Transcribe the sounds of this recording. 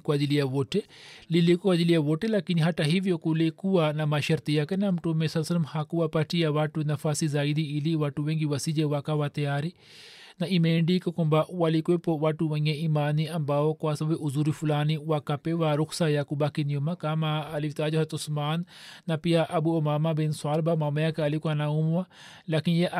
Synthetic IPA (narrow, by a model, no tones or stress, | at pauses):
kuad̪ilijaʋoʈelilikuad͡ʒ̪ilijaʋoʈelakiniɦɐʈɐɦiʋjokulekuwanɐmaʃɐɾt̪ijakenɐmʈumesɐsɐlɐmhakuwapɐʈijaʋaʈunɐfasizaːid̪iiliʋaʈuʋẽŋɡiʋɐsid͡ʒeʋakaʋat̪ɐjaːɾi | naimeːɳɖikɐkũmbaʔwalikuepowaʈuʋɐjãimaːniɐmbaokwasɐbeʔʊzuɾifulaːniwakɐpewaɾʊksajakubakinijomakamaɐlit̪aːd͡ʒoɦɐt̪ʊsmaːnːɐpijaʔɐbuomaːmabinswaːlbamamɐjakeɐlikuanaumuwa | lakinjeʔ